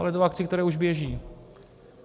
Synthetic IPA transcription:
alɛt̪oak̚t͡sɪkt̪ɛɾɛːuʒbjɛʒiː

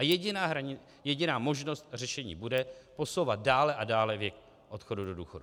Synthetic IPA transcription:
ajɛɟɪnaːɦɾaɲɪ | jɛɟɪnaːmo̞ʒno̞st̪̚rɛʃɛɲḭːbudɛpo̞so̞wvat̪̚daːlɛʔadaːlɛvjɛk | ʔo̞t̪xo̞dudo̞duːxo̞du

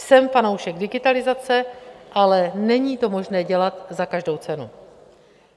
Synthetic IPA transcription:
sɛmfano̞wʃɛɡdɪɡɪt̪alɪzat͡sɛʔalɛnɛɲiːt̪o̞mo̞ʒnɛːɟɛlat̪zakaʒdo̞wt͡sɛnu

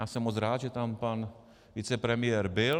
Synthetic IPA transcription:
aːsɛmːot͡sɾaːd̪ʒɛt̪ampan | vit͡sɛpɾɛmɪjɛɾbɪl

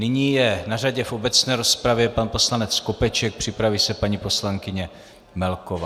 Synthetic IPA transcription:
nɪɲiːjɛnaraɟɛfobɛt͡snɛːɾo̞spɾavjɛpanpo̞slanɛt͡skopɛt͡ʃɛk̚pr̝̥ɪpɾaviːsɛpaɲipo̞slaŋkɪɲɛ | mɛlkova

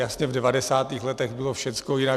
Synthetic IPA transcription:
jasɲɛvdɛvadɛsaːt̪iːxlɛt̪ɛɣbɪlofʃɛt̪t͡skojɪna

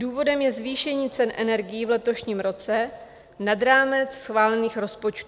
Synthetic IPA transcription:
duːvo̞dɛmjɛzviːʃɛɲiːt͡sɛnʔɛnɛɾɡɪjivlɛt̪o̞ʃɲiːmɾo̞t͡sɛ | nad̪ɾaːmɛt͡ssxvaːlɛniːxɾo̞spo̞t͡ʃt̪u

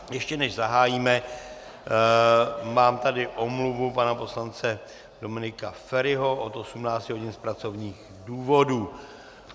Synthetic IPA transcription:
jɛʃcɛnɛʒzaɦaːjiːmɛ | maːmt̪adɪʔo̞mluvupanapo̞slant͡sɛ | do̞mɪnɪkafɛɾɪɦo̞ʔot̪ʔo̞sumnaːt͡scɪɦo̞ɟɪnspɾat͡so̞vɲiːɣ | duːvo̞duː

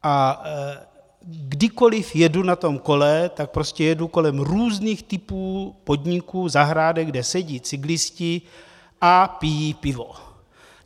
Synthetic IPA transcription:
ʔa | ɡdɪko̞lɪfjɛdunat̪o̞mko̞lɛt̪ak̚pɾoscɛjɛduko̞lɛmɾuːzniːxt̪ɪpuːpodɲikuːzaɦɾaːdɛɡdɛsɛɟiːt͡sɪɡlɪscɪ | ʔapijiːpɪvo̞̰

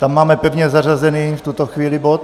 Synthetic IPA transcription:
t̪amːaːmɛpɛvɲɛzarazɛniːft̪ut̪oxʋiːlibot̪̚

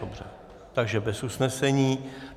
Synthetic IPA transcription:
obr̝ɛ̰ | t̪aɡʒɛbɛsusnɛsɛɲiː

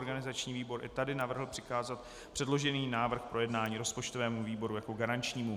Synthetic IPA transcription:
ɾɡanɪzat͡ʃɲiːviːbo̞ɾʔɪ̰t̪adɪnavr̩ɦl̩pr̝̥ɪkaːzat̪ | pr̝̥ɛdlo̞ʒɛniːnaːvr̩xpɾo̞jɛdnaːɲiːɾo̞spo̞t͡ʃt̪o̞vɛːmuviːbo̞ɾujako̞ɡaɾant͡ʃɲiːmu

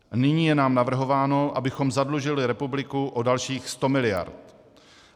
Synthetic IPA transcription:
nɪɲiːjɛnaːmnavr̩ɦo̞vaːno̞ʔa̰bɪxo̞mzadluʒɪlɪɾɛpublɪkuʔodalʃiːxst̪o̞mɪlɪja̰ɾt̪

